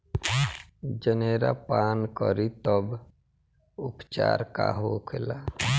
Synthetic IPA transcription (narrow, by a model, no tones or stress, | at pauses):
d͡ʒəneːɾapaːnkɔ̰ɾit̪ɔb | ʊpt͡ʃa̰ːɾka̰ɦokʰɪla